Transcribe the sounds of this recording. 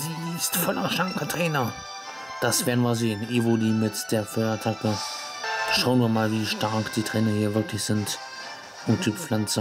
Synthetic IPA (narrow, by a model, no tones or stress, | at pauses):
ziːɪstfɔlʔɐʃaŋkətʁ̥eːnɐ | d̥asv̥ɛːɐnmvɐzeːəneːvoːdiːmɪtd̥eːɐfœɪatʰakə | ʃaʊənviːɐmaːlviːʃtaɐkd̥iːtʁ̥eːnɐhiːɐvəɐkləçz̥ɪnt | ʔʊmtʰypflant͡sə